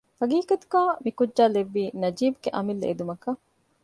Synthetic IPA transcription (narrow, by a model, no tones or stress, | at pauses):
fɐɡiːkɐt̪u̥ɡaːmikud͡ʒːaːleʋːiːnɐd͡ʒiːbuɡeʔɐmilːeḛd̪umɐkɐ